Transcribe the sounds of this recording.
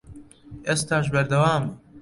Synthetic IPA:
est̪aːʃbɐɾd̪ɐwaːm

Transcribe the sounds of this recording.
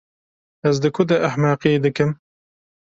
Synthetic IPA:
ɛzd̪ɨkʰʊd̪ɛʔɐħmɑːqied̪ɨkɨm

